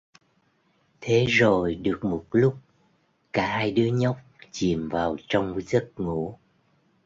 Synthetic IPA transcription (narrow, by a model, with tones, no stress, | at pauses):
t̪ʰe˨˦zo˨˩jɗɨ˨˩ək̚mo˨˩t̚lʊ˦˥k͡p̚ | kaː˧˩haː˧jɗɨ˨˦əɲə˦˥wk͡p̚t͡ɕi˨˩əmvaː˨˩wt͡ɕɔ˧wŋ͡mzə˦˥t̚ŋṵ˧˥